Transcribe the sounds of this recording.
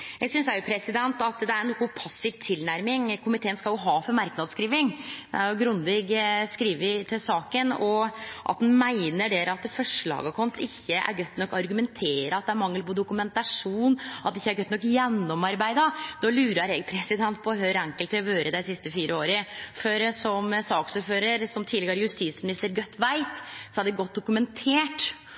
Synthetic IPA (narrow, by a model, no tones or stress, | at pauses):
jɛɡsʏnsæɾjʊpʰɾɛsɪd̪ɛnt̪ɑt̪d̪ɛæɾnuːkːʊpʰɑsːɪʋt̪ʰɪlnæɾmɪŋkʰʊmɪt̪ʰeːənskɑljʊɦɑːfɔɾmɑɾknɑd̪skɾiːʋɪŋd̪ɛæɾjʊɡɾʉnd̪ɪɡskɾiːʋɪt̪ʰɪlsɑːkənɔʔɑ̰t̪d̪ʉnmæɪnəɖeːɾɑt̪fɔʂɭɑ̰ːɡɑkʰɔnsɪçːəʔæ̰ɾɡœt̪ːnɔkːɑɾɡʉmɛnt̪ʰeːɾəɑt̪̚d̪ɛæɾmɑŋːəlpɔd̪ʊkʉmɛnt̪ɑʂuːnɑt̪d̪ɛɪçːæɾɡœt̪nɔkːjɛnːɔmɑɾbæɪd̪ɑd̪ɑːlʉːɾəɾɛɡ̚pʰɾɛsɪd̪ɛnt̪pʰɔhœʏɾæŋkəlt̪ɪlɔʋøːɾəd̪æɪsɪst̪əfiːɾʔəoːɾəføɾəsɔmsɑːksʉːɾføːɾəɾsɔmt̪ʰid̪lɪɡəɾjʉst̪iːt̪smɪnɪst̪əɾɡœt̪ːʋæɪt̪sɔæɖɛɡɔt̪̚d̪ʊkʉmɛnt̪ʰeːʈ